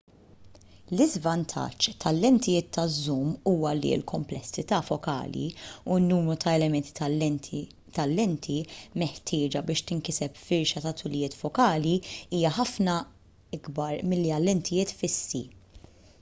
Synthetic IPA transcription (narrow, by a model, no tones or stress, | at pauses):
lɪzvɐnt̪ʰɐ̰t͡ʃːt̪ʰɐlːɛnt̪ɪjɪːt̪ʰːɐzːuːmːuːwɐlḭɪ̰lkʰɔmplɛsːɪt̪ɐːfɔkɐ̰ːlḭunːuːmɾut̪ʰɐɛlɛmɛnt̪i̥ | t̪ɐlːɛnt̪ʰimɛħt̪ʰɪːd͡ʒɐbɪːʃt̪ɪŋkɪsɛpfɪɾʃɐt̪ɐt̪ʊlɪjɪːt̪fɔkɐːliiːjɐħɐfnɐ | ɪɡbɐɾmɪlːiɐlːɛnt̪ʰɪjɪːt̪fɪsːḭ